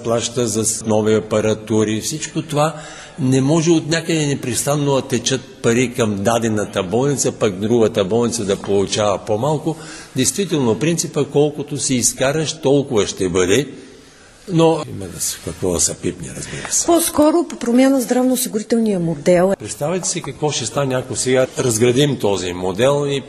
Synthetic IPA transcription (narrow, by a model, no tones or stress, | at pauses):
plˠaʃt̪əzɐsnɔviɐpɐɾɐt̪uɾifsit͡ʃkot̪ova | nɛmɔʒɛot̪nʲakəd̪ɛnɛpɾɛst̪anːoɐt̪ɛt͡ʃət̪̚pɐɾikɐmd̪ad̪ɛnət̪əbɔlˠnit̪səpakd̪ɾuɡət̪əbɔlˠnit̪səd̪ɐpolˠʊt͡ʃavɐpomalˠkʊd̪ɛjst̪vit̪ɛlˠnopɾint̪sipəkɔlˠkʊt̪osiːskaɾəʃt̪ɔlˠkʊvəʃt̪ɛbəd̪ɛ | noimɛnɐskɐkvɔsɐpipnḭɾɐ̰zbḭɾəsɛ̥pɔskɔɾʊpopɾomʲjanəzd̪ɾavnoʊsiɡʊɾit̪ɛlˠnijəmod̪ɛlˠpɾɛt̪st̪avʲɛt̪ɛ̥sikɐkvɔʃt̪ɛst̪anʲakosɛɡaɾɐzɡɾɐd̪imt̪ɔzimod̪ɛlˠi